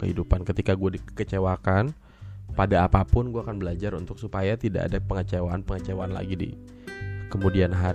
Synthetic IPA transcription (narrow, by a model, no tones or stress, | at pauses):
kəhidupankət̪ikaɡuadikət͡ʃewakan | padaːpapʊnɡuaːkanbəlad͡ʒaɾunt̪ʊksupajat̪ida̰ʔa̰dapəŋət͡ʃewaːnpəŋət͡ʃewaanla̰ɡidḭ | kəmudianɦa